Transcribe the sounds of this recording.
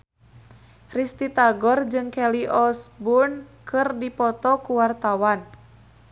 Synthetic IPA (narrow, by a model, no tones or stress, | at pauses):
rist̪it̪aɡɔrd͡ʒɨŋkɛliʔɔsbunkɨrdipɔt̪ɔkuwart̪awan